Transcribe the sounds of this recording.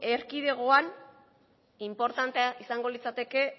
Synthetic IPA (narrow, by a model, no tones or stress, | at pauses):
e̞ɾkiðe̞ɣ̞oan | impo̞ɾt̪ant̪eaʔisaŋɡo̞lit͡sat̪e̞ke̞